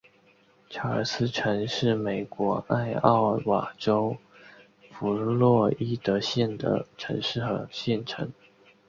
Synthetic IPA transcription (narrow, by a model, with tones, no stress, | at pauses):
ʈ͡ʂʰa˧˥ə̰˞˨˩sɹ̩˥ʈ͡ʂʰɤ˧˥ŋʂɻ̩˥˩me˨˩ɪkwɔ˧˥a˥˧ɪɑ̰˥˩ʊwa̰˨˩ʈ͡ʂo˥ʊ | fu˧˥lwɔ˥˩i˥t̪ɤ˧˥ɕjɛ˥˩nd̪ə̰˨˩ʈ͡ʂʰɤ̰˧˥ŋʂɻ̩˥˩xɤ˧˥ɕjɛ˥˩nʈ͡ʂʰɤ̰˧˥ŋ